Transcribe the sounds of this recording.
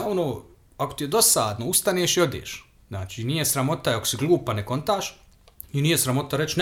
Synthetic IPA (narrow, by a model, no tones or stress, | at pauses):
onoː | akot̪ijed̪o̞saːd̪noust̪aneːʃio̞d̪ʲjḛːʃ | znaːt͡ʃiːnijesɾamo̞t̪ajakosiɡlˠuːpaneko̞nt̪aːʃ | inijesɾamo̞t̪aɾet͡ʃn